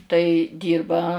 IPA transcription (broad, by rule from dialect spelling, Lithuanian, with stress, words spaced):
tɐɪ ˈdʲiːrbɐ